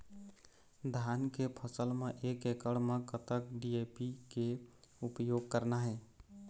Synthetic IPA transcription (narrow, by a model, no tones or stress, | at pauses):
d̪ʱankepʰəsəlmeʔekekəɽmekət̪əkɖiepikeupjoɡ̚kəɾnaɦɛ